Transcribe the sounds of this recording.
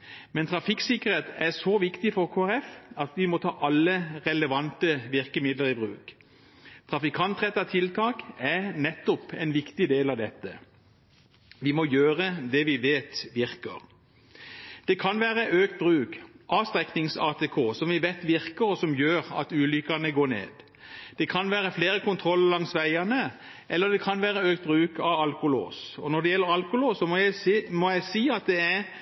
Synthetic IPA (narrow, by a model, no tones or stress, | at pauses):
mɛnt̪ʰʁɑfɪksɪkəɾeːt̪ɛʁsoʋɪkt̪ɪfɔʁkʰoːæɾɛfɑt̪ʋɪmɔt̪ʰɑ̰ːʔɑlːəʁɛləʋɑnt̪əʋɪʁkəmɪd̪ləʁɪbʁʉ̰ːk | t̪ʰʁɑfɪkʰɑnt̪ʁɛt̪ːɑt̪ʰɪlt̪ʰɑːkæʁnɛt̪ːɔpɛɪnʋɪkt̪ɪd̪eːlɑʋd̪ɛt̪ːə | ʋɪmɔjøːʁəd̪ɛʋɪʋeːt̪ʋɪʁkə̰ʁ | d̪̥ɛkʰɑnʋæːɾəʔøːkt̪̚bʁʉːkʔɑːst̪ɾɛknɪŋsɑːt̪ʰekʰoːsɔmʋɪʋæɪt̪ʋɪɾkəɾɔsɔmjøːɾɑ̰t̪ʉːlʏkːɑnəɡoːɳḛːd̪ | d̪̥ɛkʰɑnʋæːɾəfleːɾəkʊnt̪ʰɾɔlːəlɑŋsʋæɪɑnə | ʔɛlːəd̪ɛkʰɑnʋæːɾəøːk̚t̪̚bʁʉːkɑʋɑlkʊlo̰ːsɔnɔd̪ɛjɛlːəɾɑlkʊloːsɔmɔjæɪmɔjæɪsiːɑt̪̚d̪ɛæɾ